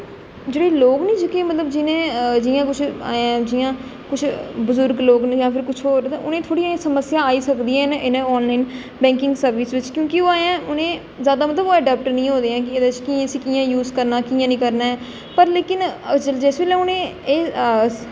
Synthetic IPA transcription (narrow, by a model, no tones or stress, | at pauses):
d͡ʒeːɽeːloːɡnĩːd͡ʒʊkẽːmət̪ləbd͡ʒɪnẽːd͡ʒɪːãːkʊt͡ʃʰa̰ːãːd͡ʒɪjãː | kʊt͡ʃʰbʊzʊɾɡloːɡnːjãːpʰɪɾkʊt͡ʃʰoːɾt̪ãʔʊnẽːt̪ʰoːɽijãːsəməsɪjãːaːiːsəkd̪iːɛ̃ːnʔɪnẽːɔːnlaːiːn | bɛ̃ːŋkɪ̃ŋɡsəɾʋɪsʋɪt͡ʃkjõːkioːaːjãːʔʊnẽː | zjaːd̪aːmət̪ləboːɛɖɛːp̚ʈnĩːɦõːd̪eːãːk̬ɪed̪et͡ʃkiːãsiːkiːãːjuːzkəɾnaːkiːãːnĩːkəɾnaːɛː | pəɾleːkɪnd͡ʒəld͡ʒɛːsʋeːlɛ̃ːʊnẽːeː